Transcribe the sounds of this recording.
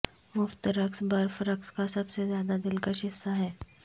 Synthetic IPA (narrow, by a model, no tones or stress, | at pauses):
mʊft̪ɾɐksbɐɾfɾəkskasɐbsezjaːd̪ad̪ɪlkəʃɪsːaɦɛː